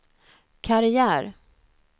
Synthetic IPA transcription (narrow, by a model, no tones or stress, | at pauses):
kʰaɾɪjæːɾ